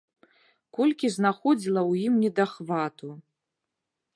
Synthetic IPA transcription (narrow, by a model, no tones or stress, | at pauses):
kɔlʲkʲiznaxɔd͡zʲilˠɐwjimnʲɛd̪axvat̪ʰu